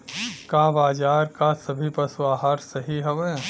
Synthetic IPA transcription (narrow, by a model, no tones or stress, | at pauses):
kaːbaːd͡ʒaːɾkasɐbʱipɐsaːɦaːɾsɐɦiɦɐʋẽː